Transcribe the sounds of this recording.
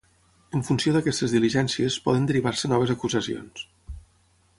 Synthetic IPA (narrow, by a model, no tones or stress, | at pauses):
əɱfunsioðəkɛst̪əzðiliʒɛnsiəspɔ̰ðənd̪əɾiβaɾsənɔβ̞əzəkuzəsio̰ns